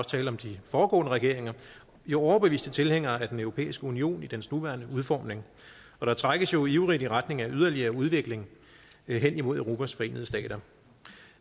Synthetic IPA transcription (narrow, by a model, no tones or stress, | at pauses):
ɒst͡sʰɛːlɒ̽md̥ifɒːɡ̥ɔ̰̽ːnəʁɛɡ̥e̝ɐ̰e̝ŋɐ | jo̝ɒʊɐb̥e̝ʋḭːsd̥ət͡sʰe̝lheŋ̰ɐːæd̥enœʊʁo̝pʰḛːisɡ̥əunio̝̰ːnid̥ensnuʋæɐnəuð̞ˠfɒ̰ːmne̝ŋ | ɒ̽ɾ̥ɑ̈t͡sʰʁaɡ̥əsjo̝iʊʁid̥iʁad̥ne̝ŋæʔyð̞ˠɐliɐːuð̞ˠʋe̝ɡ̥le̝ŋ | ɦen̰imo̝ðˠæʊʁo̝ːpʰæsfɒ̽e̝̰ːnəðˠsd̥ɛ̰ːɾ̥ɐ